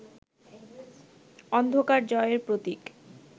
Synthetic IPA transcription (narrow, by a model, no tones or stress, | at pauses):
ɔnd̪ʱokaɾd͡ʑɔeeɾpɾot̪ik